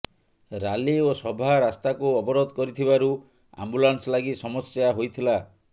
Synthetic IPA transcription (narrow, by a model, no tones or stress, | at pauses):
ɾaliosɔbʱaɾast̪akuɔbɔɾɔd̪ʱɔkɔɾit̪ʰibaɾu | a̰mbulanslaɡisɔmɔsjaɦojt̪ʰila